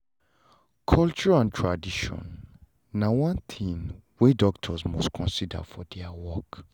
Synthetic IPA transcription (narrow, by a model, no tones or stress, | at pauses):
kʰɔlt͡ʃɔɹãntʰɹadiʃɔ̰̃nː | awɔ̃nt̪ʰĩnwedɔktʰɔsmɔstkʰɔ̃nsida̰fɔdɛawɔk